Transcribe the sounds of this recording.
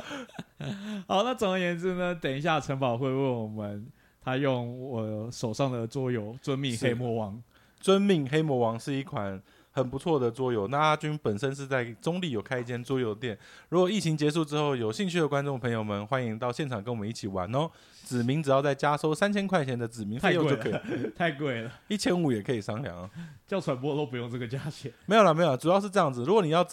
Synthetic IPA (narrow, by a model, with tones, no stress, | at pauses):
xɑ˨˧˦ʊna˥˩t͡so˨˩ŋd̪ə˨jɛ˧˥nt͡su˥˩nə˦t̪jɛ˨˩ni˧ɕja˥˩ʈ͡ʂʰə˧˥ŋpɑ˨˩ʊxwe˥˧ɪwə˥˩nwɔ˨˩mə˦n | t̪ʰa˥jo˥˩ŋɔ˨˩ʂo˨˩ʊʂɑ˥˩ŋd̪ə˨˩t͡swɔ˥jo˧˥ʊt͡swə˦nmi˥˩ŋxe˥ɪmwɔ˧˥wɑ˧˥ŋ | t͡swə˦nmi˥˩ŋxe˥ɪmwɔ˧˥wɑ˧˥ŋʂɻ̩˥˧i˥˩kʰwa˨˩˦n | xə˨˩npu˧˦t͡sʰwɔ˥˩d̪ə˩t͡swɔ˥jo˧˦ʊna˥˩a˥t͡ɕy˥npə˨˩nʂə˦nʂ̬ɻ̩˥˧t͡sa˥˩ɪʈ͡ʂo˥ŋli˥˩jo˨˩ʊkʰa˥ɪi˧t͡ɕʰjɛ˥nt͡swɔ˥jo˧ʊd̪ə˧t̪jɛ˨˩nɻu˧˥kwɔ˨˩i˥˩t͡ɕʰi˧˥ŋt͡ɕjɛ˧˦ʂ̬u˥˧ʈ͡ʂɻ̩˥xo˥˩ʊjo˨˩ʊɕi˥˧ŋt͡ɕʰy˥d̪ə˨˩kwa˦˥nʈ͡ʂo˥˩˨ŋpʰə˧˥ŋjo˨˩ʊmə˨nxwa˦˥ni˧˥ŋt̪ɑ˥˧ʊɕjɛ˥˩nʈ͡ʂʰɑ˨˩ŋkə˦nwɔ˨˩mə˦i˥˩t͡ɕʰi˨˩wa̰˨˦nɔ˦ | t͡sɻ̩˨˩mi˧˦˥ŋʈ͡ʂɻ̩˨˩jɑ˥˧ʊt͡sa˥˩ɪt͡ɕja˥so˥ʊsa˥˦nt͡ɕʰjɛ˥nkʰwa˥˩ɪt͡ɕʰjɛ˧˥nd̪ə˨t͡sɻ̩˨˩mi˧˦ŋʰ˥˧jo˥˧˦t͡ɕo˥˧kʰːt̪ʰa˥˧ɪkwe˥˩ɪlə˩i˥˩t͡ɕʰjɛ˥nu˨˩jɛ˨˩kʰɤ˧˥i˨˩ʂɑ˥ŋljɑ̰˧˥˦ŋə˦t͡ɕjɑ˥˩ʊt͡sʰwa˨˦npwɔ˥t̪o˥˧ʊpu˧˦jo˥˧ŋʈ͡ʂə˥˩ɡə˩t͡ɕja˥ɕɛ˨˩me˧˥jo˨˩lə˩me˧˥jo˨˩ə˧ʈ͡ʂu˨˩jɑ˥˧ʊʂ̬ɻ̩˥˧ʈ͡ʂɤ˥˧jɑ˥˩ŋd͡z̩˨˩ɻu˧˥kwɔ˨ni˨˩jɑ˥˩ʊ